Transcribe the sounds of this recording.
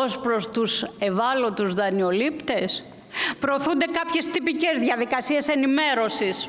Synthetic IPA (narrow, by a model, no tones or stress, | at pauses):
ospɾo̞st̪use̞vɐlo̞t̪uzðɐnio̞lipt̪e̞s | pɾoːθund̪e̞kɐpçe̞st̪ipice̞zðiɐðikɐsie̞se̞nime̞ɾo̞sis